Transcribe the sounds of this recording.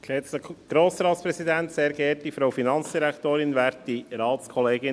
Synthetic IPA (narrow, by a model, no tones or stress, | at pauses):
lɛstəɡ̥ɾoːsɾɑːtspɾɛsidɛnt̪seːɾɡɛt̚d̥ifɾaʊfinɑnt͡sd̥iɾɛktoːɾɪnvɑːɾtdiɾɑːtskʰɔleːɡɪ